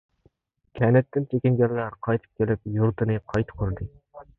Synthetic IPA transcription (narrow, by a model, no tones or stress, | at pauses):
kʲʰɛnɛt̪ːɪnt͡ʃʰekʲɪnɡʲæɾlæɾqʰɑjt̪ʰɨ̥p̚kʲelɪp̚juɾt̪ʰɨnɨqʰɑjt̪ʰɨ̥kʰʲøɾd̪ɨ